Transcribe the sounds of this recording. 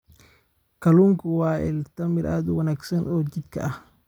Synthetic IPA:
kʰɐluːŋkʰʊwɑːɪ̰lt̪ɐmɪɾʔaːd̪ʊwɐnaːɡsɐnʔɔːd͡ʒɪd̪kʰɐ̰ʔɐh

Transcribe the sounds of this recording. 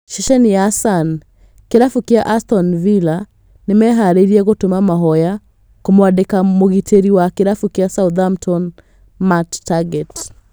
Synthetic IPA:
ʃiʃɛniasan | keɾafukeaʔastɔnvila | nemɛɦaɾeiɾiɛɣotomamaɦɔja | komowadekamoɣitʰeɾiwakeɾafukeasauðamtʰɔn | matːaɡɛt

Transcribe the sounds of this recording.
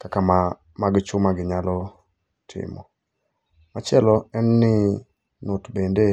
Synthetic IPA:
kakama | maɡt͡ʃʊmaɡɪɲalɔ | tʰɪ̰mɔ̰ | mat͡ʃɪɛlɔɛnːɪ | nʊtbende

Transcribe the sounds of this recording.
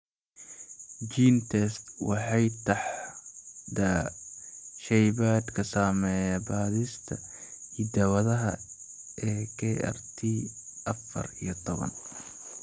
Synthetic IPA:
d͡ʒiːnt̪ʰɛst̪wɑħɑjt̪ʰɑħ | d̪ɐ | ʃɛjβaːd̪kʰɐsɐmɛːjabaːðist̪ʰɐiːd̪ɐwɐðɐɦɐ̰ | ɛːkʰɛɛ̰rt̪ʰiːʔɐfɐ̰rḭjɞt̪ʰɔβɐ̰n

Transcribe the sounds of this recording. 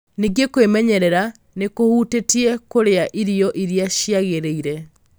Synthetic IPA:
niɡekwemɛɲɛɾɛɾa | nekohutetiɛkoɾeaʔiɾiɔʔiɾijaɕiaɣeɾeiɾɛ

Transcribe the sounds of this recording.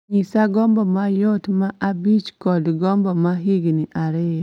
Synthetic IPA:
ɲisaɡɔmbɔmajotmaʔabit͡ʃkɔdɡɔmbɔmaɦiɡniʔaɾɪ

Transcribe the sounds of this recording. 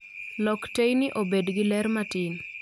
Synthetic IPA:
lɔktejnɪʔobedɡɪlɛɾmatɪn

